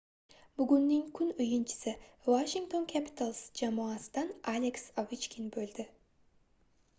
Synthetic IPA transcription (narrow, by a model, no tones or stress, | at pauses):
byɡynːɪŋkʲʰʉnʊjɯnt͡ʃʰɪ̥sɪvaʃɪŋkt̪o̞ŋkʲʰæpʲɪ̥t̪alˠsd͡ʒamuɑsd̪ɑnalʲeksavit͡ʃkʲinbøld̪ɪ